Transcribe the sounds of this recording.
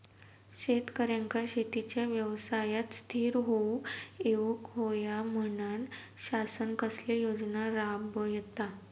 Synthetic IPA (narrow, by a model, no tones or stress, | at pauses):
ɕet̪kəɾjãŋkaɕet̪it͡ɕjaʋjəʋsajat̪st̪ʰiːɾɦoueʋukɦojam̤ənaɳ | ɕasənkəslejod͡znaɾabəjet̪a